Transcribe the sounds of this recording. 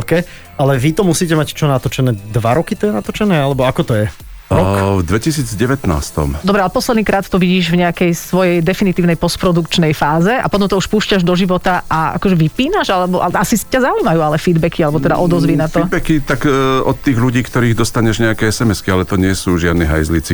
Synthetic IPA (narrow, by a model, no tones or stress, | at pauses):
kɛ | alɛʋit̪ɔmusiːcɛmact͡ʃɔnat̪ɔt͡ʃɛnɛːd̪ʋaɾɔkit̪ɔɛnat̪ɔt͡ʃɛnɛːalɛbɔakɔt̪ɔjɛ | ɾɔkvd̪ʋɛcisiːd͡zɟɛʋɛt̪na̰ːst̪ɔ̰md̪ɔbɾɛalɛpɔslɛd̪niːkɾaːt̪ːɔʋiɟiːʒvɲɛakɛjsʋɔjɛjd̪ɛfinit̪iːʊnɛjpɔspɾɔd̪ukt͡ʃnɛjfaːzɛa̰pɔt̪ɔmt̪ɔuʃpuːʃcaʒd̪ɔʒiʋɔt̪aʔaa̰kɔʒɛʋipiːnaʒalɛbɔʔalɛʔasicazaujmajuːalɛfid̪bɛkialɛbɔt̪ɛd̪a̰ʔɔd̪ɔzʋiːnat̪ɔbɛkit̪akɔt̪ːiːɣluɟiːkt̪ɔɾiːɣd̪ɔst̪aɲɛʒɲɛakɛːɛsɛmɛskialɛt̪ɔɲɪɛsuːʒɪad̪niɦa̰jzlit͡si